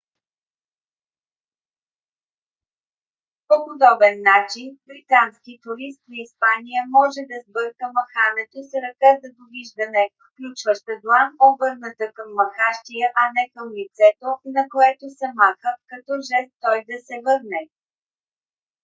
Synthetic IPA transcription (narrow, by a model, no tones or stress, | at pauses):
popod̪ɔbɛnːat͡ʃinbɾit̪anskit̪uɾist̪nɐispanijəmɔʒɛd̪ɐzbɤɾkəmɐxanɛt̪osɾɐkad̪ɐd̪oviʒd̪ɐnɛfklʲut͡ʃvəʃt̪əd̪lˠanobɤɾnət̪əkɐmːɐxaʃt̪ijəʔɐnɛkəmlit̪sɛt̪onɐkoɛt̪osɛmaxəkɐt̪ɔʒɛst̪ːɔjd̪ɐsɛvɤɾnɛ